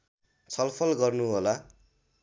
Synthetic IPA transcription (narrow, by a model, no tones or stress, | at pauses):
t͡sʰʌlpʰʌlɡʌrnuɦola